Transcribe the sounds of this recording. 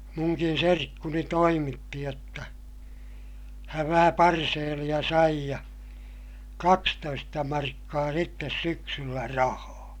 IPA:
muŋkin serkːuni toimitːi jotːɑ hæʋ ʋæhæ pɑrseːlij̆ɑ sɑi jɑ kɑkstoistɑ mɑrkːɑː sitːes syksylːæ rɑhɑː

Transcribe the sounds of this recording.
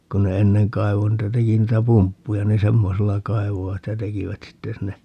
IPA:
kun ne enːeŋ kɑi̯ʋo niːtæ teki niːtæ pumpːujɑ ni semːoselːɑ kɑi̯ʋoʋɑt jɑ tekiʋæt sitːe sinːe

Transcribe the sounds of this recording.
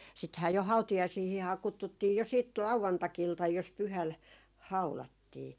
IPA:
sithæː jo hɑutijɑisiːhihɑː kutːutːiː jo siːt lɑuʋɑntɑkiltɑj jos pyhæl hɑulɑtːiː

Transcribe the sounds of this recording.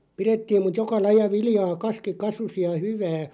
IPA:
piretːiːm mut jokɑ lɑjˑɑ ʋilĭjɑː kɑski kɑsusi jɑ hyʋæː

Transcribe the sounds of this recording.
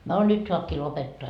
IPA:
no nyt soɑpkiː lopetːoɑ

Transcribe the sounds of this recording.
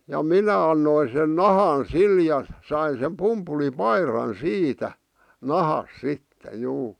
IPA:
jɑ minæ ɑnːoin sen nɑhɑn sil jɑ sɑin̞ sem pumpulipɑirɑn siːtæ nɑhɑs sitːe juː

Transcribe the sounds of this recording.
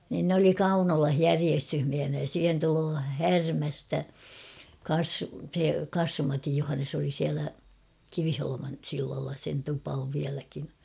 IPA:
niːn n oli kɑunolɑh jæriestyhmiæhinæ jɑ siːhen tuloː hærmæstæ kɑːs se kɑsːum mɑtij juhɑnːes oli siælæ kiʋiholomɑn silːɑlːɑ sen tupɑ oʋ ʋiælækin̞

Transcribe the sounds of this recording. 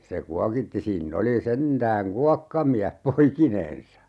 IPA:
se kuɑkitːi siːnː oli sentæːŋ kuɑkːɑmiæh poikinen̞sɑ

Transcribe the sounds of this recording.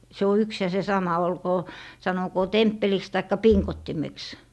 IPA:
se o yks jɑ se sɑmɑ olkoː sɑnokoː tempːeliks tɑikːɑ piŋkotːimeks

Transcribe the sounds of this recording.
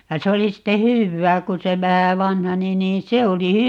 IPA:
jɑ se oli sitːe hyʋːæː kun se ʋæhæ ʋɑnhɑni niːn se oli

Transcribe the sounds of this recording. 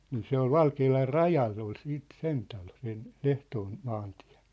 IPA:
niː se ol ʋɑlkeːlɑr rɑjɑlː ol siːt sen tɑlo sen l̥ehtoːn mɑːnti̥æ̥̝

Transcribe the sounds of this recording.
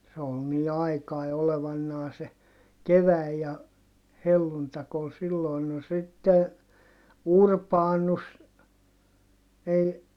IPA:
se ol niː ɑikɑi oleʋɑnːɑː se keʋæˑi jɑ helːuntɑk ol silːoin no sitːe urpɑːnus ei

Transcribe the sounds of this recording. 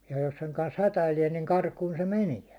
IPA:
jɑ̥ jos seŋ kɑns hætæilie niŋ kɑrkuːn se meniæ

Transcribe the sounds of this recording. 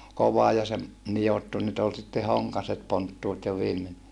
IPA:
koʋɑ jɑ se nijotːu nyt ol sitːe hoŋkɑset pontːuːt jo ʋiːmen

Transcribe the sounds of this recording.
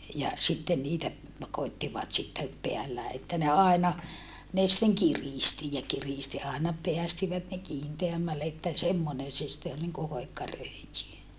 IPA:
jɑ sitːen niːtæ koitːiʋɑt sitːe peælːæː etːæ ne ɑˑenɑ ne sitːeŋ kiriˑsti jɑ kiristi ɑˑenɑ peæstiʋæt ne kiːnteæmːælːe etːæ semːonen se sĭtːe ol niŋku hoikːɑ røˑijy

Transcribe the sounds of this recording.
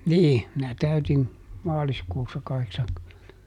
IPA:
niː minæ tæytin mɑːliskuːsːɑ kɑheksɑŋkymːentæ

